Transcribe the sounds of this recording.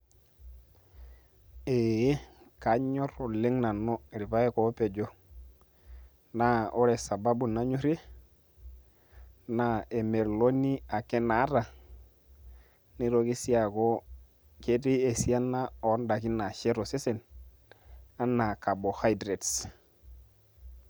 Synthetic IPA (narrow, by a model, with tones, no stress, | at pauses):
e˨je˦ | ka˨˦ɲo˦ɾo˨le˦ŋna˨no˦˨ɾi˨pa˦e˦ko˨˦pe˨d͡ʒo˦ | na˦o˦ɾe˨sa˨ba˦bu˨na˦ɲu˦ɾe˦ | na˨e˨me˨ɾlo˦ni˦a˨ke˦na˨˦ɾa˨ | ni˦ɾo˦ki˦si˦a˨ko˦ | ke˦di˦e˨si˦a˦nːa˦o˨˦nda˨ki˦na˨ʃe˦ɾo˨se˦se˨n | a˦nːa˨ka˨bo˨ha˦jdɾe˨ts